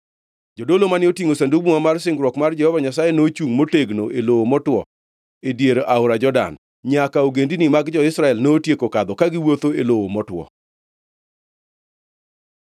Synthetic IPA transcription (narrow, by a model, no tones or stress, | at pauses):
d͡ʒodolomanɪotiŋosandubumamarsɪŋɡɾwɔkmard͡ʒɛhɔvaɲasajenot͡ʃuŋmoteɡnoʔelowomɔtwɔ̰ | edjeɾʔaʊɾad͡ʒɔda̰n | ɲakaoɡendinimaɡd͡ʒɔɪsɾaɛlnoːtjekokad̪ɔkaɡɪwot̪oelowomɔtwɔ̰